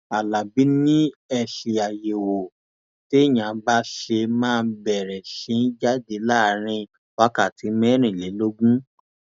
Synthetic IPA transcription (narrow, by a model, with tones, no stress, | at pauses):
a˨la˨bi˨˦nĩ˦ɛ˧ʃe˧a˨je˨wo˨ | te˦˨j̃ã˨˦ba˦ʃe˧mãː˦˧n̩bɛ˨ɾɛ˨ʃĩ˨˧˦d͡ʒa˦de˧˦la˦˨˦ɾ̃ĩ˧ | wa˦ka˦˨ti˨˦mɛ̃˦ɾ̃ĩ˦˨le˨˦lo˦ɡũ˦